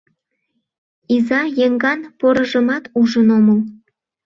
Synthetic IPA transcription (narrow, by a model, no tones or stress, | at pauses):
izɑjeŋɡɑnpoɾə̆ʒə̆mɑt̪uʒənoməl